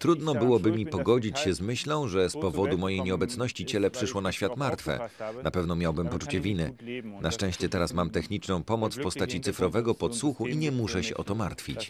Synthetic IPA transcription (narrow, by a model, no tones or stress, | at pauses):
t̪ɾud̪nɔbɘwɔbɘmʲipɔɡɔd͡ʑit͡ɕɕɛzmɘɕlɔ̃w̃ʐɛspɔvɔd̪umɔjejɲɛɔbɛt̪snɔɕt͡ɕit͡ɕɛlɛpʂɘʂwɔnaɕfʲjat̪maɾt̪fɛ̰napɛvnɔmʲjawbɘmpɔt͡ʂut͡ɕɛvʲinɘnaʂt͡ʂɛ̃w̃ɕt͡ɕɛt̪ɛɾasmamt̪ɛxɲit͡ʂnɔ̃w̃pɔmɔt̪sfpɔst̪at͡ɕit̪sɘfɾɔvɛɡɔpɔt̪swuxuʔiɲɛmuʂɛɕɛʔɔt̪ɔma̰ɾt̪fʲit͡ɕ